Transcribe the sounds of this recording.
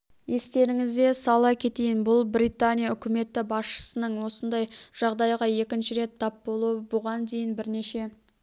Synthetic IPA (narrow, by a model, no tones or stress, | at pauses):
je̞st̪e̞ɾɪŋɪzd̪e̞sɑlˠɑkʲʰe̞t̪ejɪnbʊlˠbɾijt̪anʲijaʏkʲɪme̞t̪ːɪbɑsʃə̥sənəɴwo̞sənd̪ɑjʒ̥ɑʁd̪ɑjʁɑje̞kʲɪnʃɪɾe̞t̪ʰːɑpbo̞lˠuəbʊʁɑnd̪e̞jɪnbɪɾne̞ʃe̞